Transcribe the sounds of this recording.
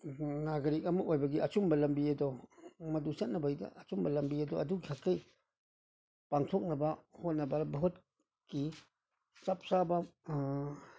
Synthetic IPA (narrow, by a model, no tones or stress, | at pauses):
naɡɐɾik̚ɐmakojbɐɡiʔɐt͡ʃumbɐlɐmbiɐdɔmɐdusɐt̚nɐbɐidɐ̰ʔɐt͡ʃumbɐlɐmbiɐdɔʔɐdukʰakːɐj | paŋtʰɔk̚nɐbɐhot̚nɐbɐbɐɦot̚ | ki | sap̚sabɐ